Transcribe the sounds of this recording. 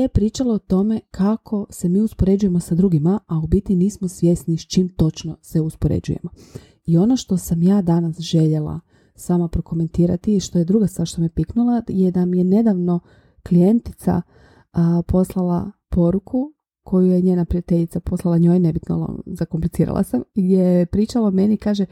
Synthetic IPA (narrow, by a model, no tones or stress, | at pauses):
epɾiːt͡ʃaloot̪o̞me̞kʰakʰo̞se̞miːuspoɾe̞d͡ʒuje̞mo̞sad̪ɾuːɡimaaubit̪iniːsmosʋje̞snist͡ʃiːmt̪o̞t͡ʃno̞seuspoɾḛd͡ʒṵje̞̰mo | io̞no̞ʃt̪o̞samjaːd̪anasʒe̞ʎelˠa̰ | saːmapɾoko̞me̞nt̪iːɾa̰t̪iʃt̪o̞jed̪ɾuɡast̪ʋaɾʃt̪omijepiknulˠajed̪amijene̞d̪aʋno̞ | klije̞nt̪i̥t̪sa̰ | po̞slˠalˠa̰po̞ɾukʰu | kʰo̞jujeɲeːnapɾijat̪eʎit̪sapo̞slˠalˠaɲo̞ːjne̞bit̪noo̰zakomplit̪iːɾa̰lˠa̰samijepɾiːt͡ʃalomenikaːʒe